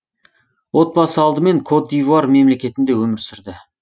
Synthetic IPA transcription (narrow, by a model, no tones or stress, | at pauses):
wo̞t̪̚bɑsəɑlˠd̪əme̞ŋkʰo̞d̪ːijvaɾme̞mle̞kʲe̞t̪ɪnd̪e̞wɵmɪɾsʏɾd̪ɪ